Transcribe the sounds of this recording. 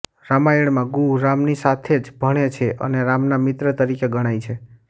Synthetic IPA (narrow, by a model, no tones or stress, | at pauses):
ɾamaiɭmãɡuɾamnisat̪ʰed͡ʒbʱəɽ̃et͡ʃʰeʔə̰neɾamnamɪt̪ɾət̪əɾikeɡəɽ̃ajt͡ʃʰe